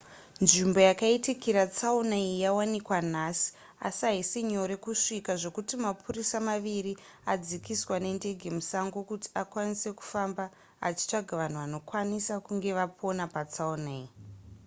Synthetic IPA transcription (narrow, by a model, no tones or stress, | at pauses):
nʐimbo̞jakaitikiɾat͡saunaijawanikwan̤asi̥ | a̰siaɦisiɲo̞ɾe̞kuʂikaʐo̞kutimapʰurisamaʋiri | ad͡zikiswane̞nde̞ɡʱe̞musaŋɡokuti̥akwanise̞ku̥famba̰ː | t͡ʃi̥t͡ʂaɡʱaʋan̤uʋano̞kwanisakuŋɡe̞ʋapʰo̞napat͡saunei